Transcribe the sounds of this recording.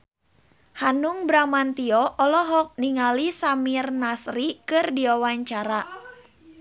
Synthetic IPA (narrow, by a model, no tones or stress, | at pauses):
hanuŋbɾamant̪iɔʔɔlɔɦɔk̚niŋalisamirnasrikɨrdiwawaɲt͡ʃaɾa